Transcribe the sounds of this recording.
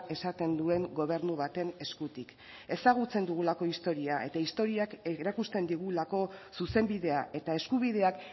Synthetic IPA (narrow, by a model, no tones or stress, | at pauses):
e̞sat̪e̞nd̪ue̞ŋɡo̞β̞e̞ɾnuβat̪e̞ne̞skut̪ik | e̞saɣ̞ut͡se̞nd̪uɣ̞ulako̞ist̪o̞ɾiae̞t̪aist̪o̞ɾiakeɾakust̪e̞nd̪iɣ̞ulako̞suse̞mbiðe̞aʔe̞t̪ae̞skuβ̞iðe̞ak